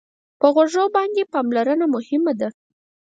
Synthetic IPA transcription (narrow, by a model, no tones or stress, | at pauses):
pəɣoʐowbɑnd̪epɑmlaɾənamʊhɪmad̪a